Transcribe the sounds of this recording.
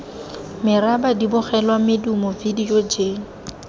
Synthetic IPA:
mɪrabadibʊχɛlwamɪdumʊvidijod͡ʒeːŋ̩

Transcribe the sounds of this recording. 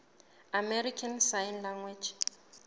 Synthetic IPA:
amɛɾikʰansajnlaŋwɛd͡ʒ

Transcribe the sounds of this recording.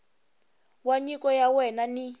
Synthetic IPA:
waɲikɔjawɛnani

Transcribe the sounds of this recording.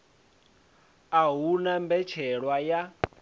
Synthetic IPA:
aɦunambɛt͡ʃʰɛɺwaja

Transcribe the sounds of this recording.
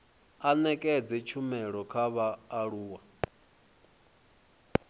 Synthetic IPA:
anɛkʼɛd͡zɛt͡ʃʰumɛɺɔkʰaβaːɺuːwa

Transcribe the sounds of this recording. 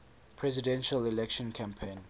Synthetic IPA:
pʰɹɛzidɛ̃nʃalilɛkʃɔ̃nkʰãmpʰẽn

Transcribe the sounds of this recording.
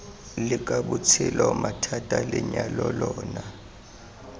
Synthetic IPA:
lɪkʼaɓut͡sʰɛlɔmatʰatʼalɪɲalɔlɔːna

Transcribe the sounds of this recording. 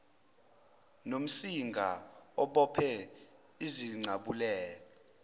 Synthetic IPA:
nom̩siŋɡʱa̰ | ɔɓɔpʰɛ | iziŋ͡ǀʱaɓulɛːlɔ

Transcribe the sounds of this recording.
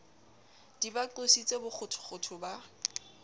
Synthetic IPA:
d̥ibaǃosit͡sʼebʊk͡xʰʊtʰʊ̥χʊtʰʊba

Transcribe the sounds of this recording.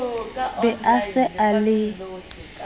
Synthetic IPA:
bɛasɛalɪ

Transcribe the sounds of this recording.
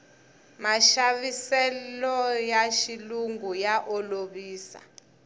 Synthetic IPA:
maʃaβisɛlɔjaʃiluŋɡujaʔɔloɓiːsa̰

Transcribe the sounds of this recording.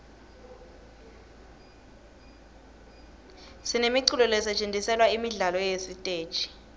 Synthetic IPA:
sinemiǀulɔlɛsɛt͡ʃʼendʱisɛlwaimiɮalɔjesitʼeːd̥ʒ̥ʱi̥

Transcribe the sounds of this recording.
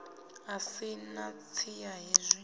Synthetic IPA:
ɦasinat͡sʰijaɦizʷi

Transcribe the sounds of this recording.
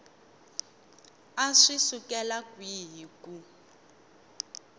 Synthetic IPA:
aʂisukɛlakwiːɦiku

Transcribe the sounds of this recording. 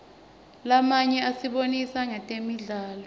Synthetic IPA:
lamaɲɛasiɓonisaŋatʼemiɮaːlɔ

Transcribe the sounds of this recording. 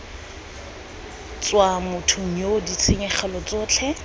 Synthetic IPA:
t͡swamʊtʰʊŋ̩odit͡sʰeŋɛχɛlɔt͡sɔːt͡ɬʰɛ

